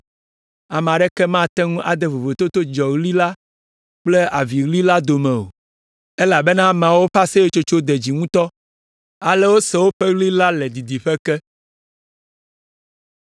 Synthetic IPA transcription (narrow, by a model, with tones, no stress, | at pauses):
a˨m̃˨a˨ɖɛ˦kɛ˦mã˦˨t̪ɛ˦ŋũ˦ʔa˨d̪e˦vo˨vo˨t̪o˦t̪o˦d͡ʒɔ˨ɣli˦la˦ | k͡plɛ˦a˨vi˨ɣli˦la˦d̪o˨mɛ̃˨o̰˨ | e˦la˨bɛ˦nã˦m̃˨a˨wo˦ɸa˦sɛ˦je˦t͡ʃo˦t͡ʃo˦d̪e˨d͡ʑi˨ŋũ˦t̪ɔ˦ | a˨lɛ˦wo˦sɛ˨wo˦ɸɛ˦ɣli˦la˦lɛ˨d̪i˨d̪i˨ɸɛ˦kɛ˦